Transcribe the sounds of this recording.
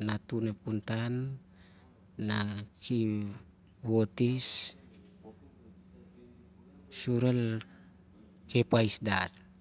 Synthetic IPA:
nat̪unepunt̪an | aki | wot̪is | suɾəl | kepaisdat̪̚

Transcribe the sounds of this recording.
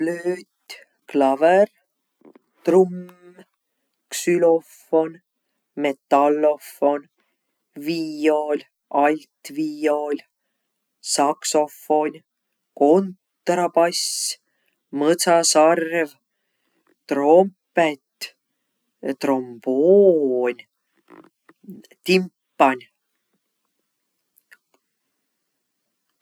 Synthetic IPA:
pløːt̪ʲ | klɑver | t̪rum | ksylo̞fo̞n | met̪ːɑlːofo̞n | vio̞lʲ | ɑlʲt̪vio̞lʲ | sɑkso̞fo̞nʲ | ko̞nt̪rɑpɑs | mɤt̪sɑsɑrv | t̪ro̞mpet̪ | t̪ro̞mb̥onʲ | t̪impːɑnʲ

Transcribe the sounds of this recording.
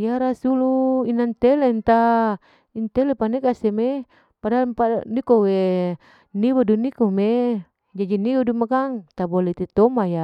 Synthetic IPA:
jaɾasuluinant̪elent̪a | int̪ɛlepanekasɛme | padapanikowe | nibodunikome | d͡ʒad͡ʒiniudumakaŋt̪abolɛt̪ɛt̪omaja

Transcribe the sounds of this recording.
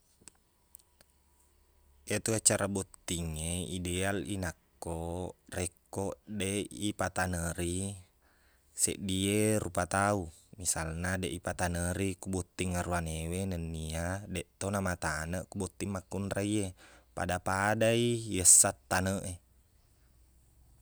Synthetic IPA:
et̪uat͡ʃaɾabɔt̪ːiŋeidɛalinakːorɛkɔʔdeipat̪anəɾi | sḛʔdierupat̪au | misalnadeʔipat̪anəɾikubɔt̪ːiŋːaɾuanewenənːiadɛʔt̪onamat̪anəʔkubɔt̪ːimːakːunraiepa̰dapadaijəsːat̪ːanəʔe

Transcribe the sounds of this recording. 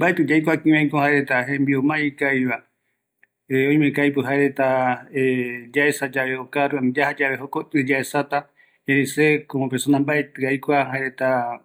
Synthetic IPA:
mbaet̪ɨd͡ʒajkʷakĩmẽj̃kohaeɾet̪aɦẽmbiomãikaiβa | eõĩj̃mẽkajpɨɦaeɾet̪aed͡ʒaesad͡ʒaβeokaɾuand͡ʒahad͡ʒaβe̞ɦokot̪ɨd͡ʒaesat̪a | ẽɾesekoõpeɾsonãmbaet̪ɨajkʷaɦaeɾet̪a

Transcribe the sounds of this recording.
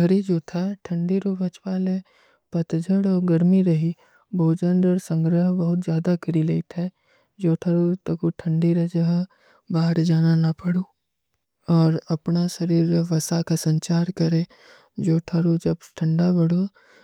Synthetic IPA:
ɡɐɾid͡ʒoːt̪ʰaʈʰə̃ɳɖiɾobɐt͡ʃwaːle | pɐt̪d͡ʒʱəɽɔɡəɾmiɾɐɦi | boːd͡ʒə̃nd̪əɾsə̃ŋɡɾəɦbəɦʊt̪zjaːd̪akəɾileit̪ʰɛ | d͡ʒoːʈʰɐɾot̪ɐkuʈʰə̃ɳɖiɾɛd͡ʒəɦ | baːɦəɾd͡ʒaːnanɐpɐɽo | ɔːɾɐpnaʃəɾiːɾʋɐsakasə̃ɲt͡ʃaːɾkɐɾẽ | d͡ʒoːʈʰɐɾod͡ʒɐbʈʰə̃ɳɖabɐɽo

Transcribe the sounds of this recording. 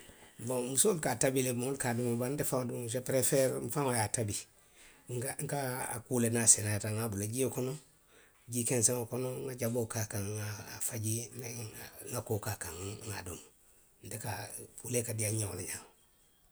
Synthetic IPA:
bomusolkatabilebuŋulkadumabandefaŋadumʃ̬epɾefeɾm̩faŋojatabi | ŋaŋ̩kaa̰kulenasenaataŋabulaɟikono | ɟikenseŋokonoŋaɟabokakaŋafaɟindeŋakokakaŋŋadṵm | ndekapulekadiaɲo̰leɲaŋ

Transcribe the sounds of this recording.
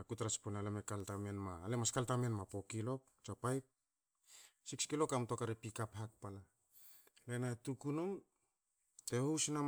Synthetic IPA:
akutaɾat͡ʃponalemekaltamenmaːlemaskaltamenmapo̞kilo̞k̚ | t͡ʃapajk̚ | sikskilo̞kamto̞kaɾipikaphak̚pala | le̞natukunum | te̞husnam

